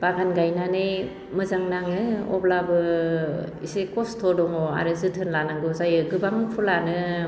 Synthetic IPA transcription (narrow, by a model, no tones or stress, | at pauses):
b̥aɡanɡajnanɯj | mɯzaŋnaŋɯɔ̰blabɯ | isekɔstʰɔdɔŋɔa̰ɾɯzɯtʰɯnlanaŋɡɯzajɯɡɯbaŋɯpʰulanɯ